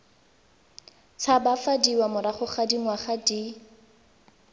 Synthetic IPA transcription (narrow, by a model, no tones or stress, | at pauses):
t͡sʰabafadiwamʊɾaχʊχadiŋwaχadi